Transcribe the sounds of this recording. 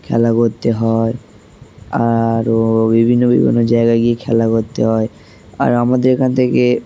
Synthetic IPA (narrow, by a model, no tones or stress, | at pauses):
kʰɛ̰lakoɾt̪eɦɔe | aɾbibʱinːobḭbʱḭnːod͡ʑaeɡaɡiekʰɛlakoɾt̪eɦɔe | a̰ɾamad̪eɾekʰant̪ʰeke